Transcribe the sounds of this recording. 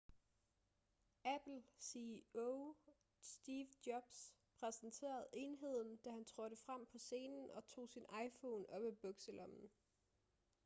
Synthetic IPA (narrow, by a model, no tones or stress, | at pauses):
æb̥l̩sio | sd̥iːʋd̥jɒb̥spʰʁɛsnt͡sʰe̝̰ːɐð̞̩ˠe̝nɦe̝ð̞̰ˠn̩d̥æhænt͡sʰʁɔɾ̥əfʁam̰pʰɒ̽se̝ːnn̩ɒ̽t͡sʰo̝̰ːsinɑ̈ɪfɔːnɒ̽b̥æb̥ɔɡ̥selɒ̽mn̩